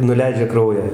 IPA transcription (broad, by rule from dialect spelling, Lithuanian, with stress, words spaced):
nʊˈlʲɛɪd͡ʒʲɛ ˈkrɐʊjæː